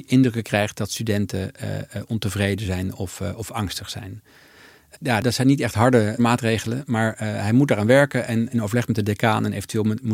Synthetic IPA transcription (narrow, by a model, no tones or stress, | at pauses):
ʔɪndrɵkəkrɛjχt̚dɑtstydɛntə̰ɔntəvrejdəzɛjnɔfɔfɑŋstəχsɛ̰jn | jaːdɑtsɛjnitɛχtɦɑɹdəmaːtrejχələmaːɹɦɛjmut̚daːɾaːnʋɛɹkəʔɛnɛnowvəlɛχtmɛt̚dədekaːnɛnʔḛjvəntyʋeːlˠmu